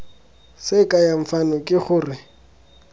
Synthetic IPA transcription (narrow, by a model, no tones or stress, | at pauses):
sɪkʼajaɱ̩fanɔkʼɪχʊːrɪ